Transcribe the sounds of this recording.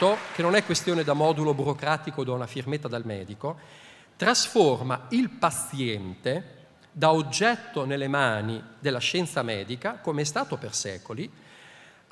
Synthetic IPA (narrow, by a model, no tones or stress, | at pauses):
okenonɛkːwest̪joːned̪amɔːd̪ulobuɾokɾaːt̪ikod̪anafirmet̪ːad̪elmɛ̰ːd̪iko | t̪ɾasformailpat̪sjɛnt̪e | d̪aod͡ʒːɛt̪ːonelːemaːnid̪elːaʃɛnt̪samɛːd̪ikakomeɛst̪aːt̪opersɛ̰ːkoli